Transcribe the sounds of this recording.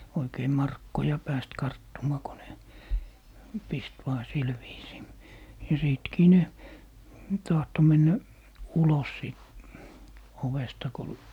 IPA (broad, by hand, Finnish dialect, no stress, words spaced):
oikei mɑrkːojɑ pæːst kɑrtːumɑː ko ne pist ʋɑː sil ʋiːsiː jɑ siˑtkiː ne tɑhto menːæ ulos siˑt oʋestɑ ko